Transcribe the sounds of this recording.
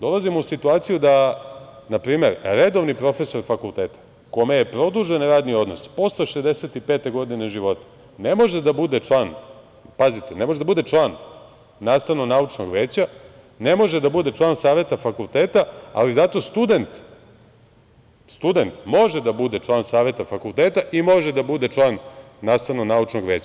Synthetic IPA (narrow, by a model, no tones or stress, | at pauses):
d̪o̞lˠazimousit̪uaːt̪sijud̪a | napɾiːme̞ɾɾed̪o̞ʋnipɾo̞fe̞so̞ɾfakulˠt̪eːt̪ḁ | ko̞mejepɾo̞d̪uʒenɾaːd̪nio̞d̪no̞spo̞st̪eʃezd̪eset̪ipeːt̪e̞ɡo̞d̪ineʒiʋo̞t̪e̥ | nemo̞ʒed̪abud̪e̞t͡ʂlˠaːn | pazit̪enemoʒed̪abud̪e̞t͡ʂlˠaːnː | aːst̪aʋnoɡnaut͡ʃnoɡʋeːt͡ɕa | ne̞mo̞ʒed̪abud̪e̞t͡ʃlˠaːnsaːʋe̞t̪afakult̪eːt̪aa̰lizat̪o̞st̪ud̪e̞nt̪ | st̪ud̪e̞nt̪mo̞ʒed̪abud̪et͡ʂlˠaːnsaːʋe̞t̪afakulˠt̪eːt̪aʔimo̞ʒed̪abud̪et͡ʃlˠaːnː | aːst̪aʋnoɡnaut͡ʃnoɡʋeːt͡ɕa